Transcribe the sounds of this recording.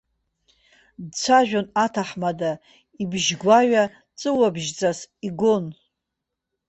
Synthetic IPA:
dt͡sʷʰaʒᶣanatʰaħmada | ibʒɡʷaɥa | t͡sʼɨwabʒd͡zʼasiɡon

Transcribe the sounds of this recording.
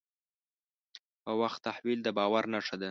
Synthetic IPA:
pəwaxt̪ːahwild̪əbɑwaɾnaʂad̪e

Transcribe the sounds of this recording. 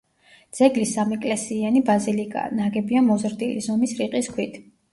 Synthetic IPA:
d̪z̥ɛɡlisːamɛkʼlɛsianibazilikʼa̰naɡɛbiamɔzɾd̪ilḭzɔmisɾiqʼiskʰwit̪ʰ

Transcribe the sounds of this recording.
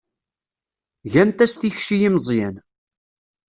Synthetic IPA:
ʝænt̪æst̪içʃijimzˤjæn

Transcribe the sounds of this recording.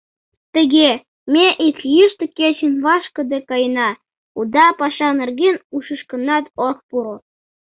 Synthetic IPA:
t̪ə̆ɣʲe | mʲeʔikʲjyʃt̪ɘ̆kʲet͡ɕə̆nvɑʃkɤ̆d̪ekɑjnɑ | ud̪ɑpɑʃɑnĕrɡʲenuʃə̆ʃkɤ̆nɑt̪oxpuɾŏ

